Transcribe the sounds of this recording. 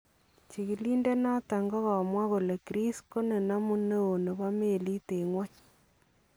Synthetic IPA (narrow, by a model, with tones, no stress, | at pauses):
t͡ʃi˨ki˨li˦nde˦na˦ta˨ŋɡɔ˦ɣa˨mwa˦ko˨le˨kɾi˦sko˦ne˨na˦mu˦nːe˦o˨ne˨ba˦me˦˨li˦te˨ŋwɔ˦ɲ